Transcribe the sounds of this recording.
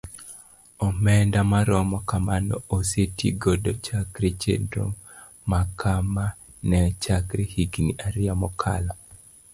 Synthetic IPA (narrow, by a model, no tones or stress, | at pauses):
ɔmɛndamaɾɔmɔkamanɔʔosetiɡɔdɔt͡ʃakɾet͡ʃḛndɾo̰ | makʰamanɛt͡ʃakɾehiɡiniʔaɾɪamɔkʰa̰la